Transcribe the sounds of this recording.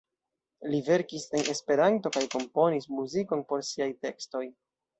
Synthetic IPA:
live̞ɾkise̞nʔe̞spe̞ɾanto̞kajko̞mpo̞nismuziko̞npo̞ɾsiajte̞ksto̞j

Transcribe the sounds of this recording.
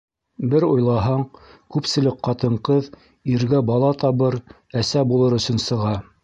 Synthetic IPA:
bɘɾojlˠɑɦɑɴkʉpsɘ̆lɘk̚qɑt̪ɤ̆ɴqɤð | iɾɡæbɑlˠɑt̪ɑβɤɾ | æsæbulˠɤɾɵ̆sɵ̆nsɤ̆ʁɑ

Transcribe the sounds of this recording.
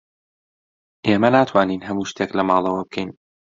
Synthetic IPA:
ʔeːmɐnaːt̪ʰwaːniːnɦɐmuːʃt̪ʰeːklɐmaːlˠɐwɐbɨkʰɛjn

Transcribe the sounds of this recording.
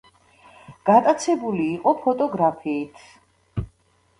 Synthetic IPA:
ɡ̥at̪ʼat̪sʰɛbuliːqʼɔpʰɔt̪ʼɔɡɾapʰiːt̪ʰ

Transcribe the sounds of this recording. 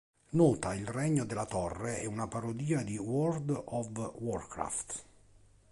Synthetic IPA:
nɔːt̪ailrɛɲːod̪elːat̪ɔrːeɛunapaɾod̪iːad̪iwɔrd̪ɔvwɔrkɾa̰ft̪

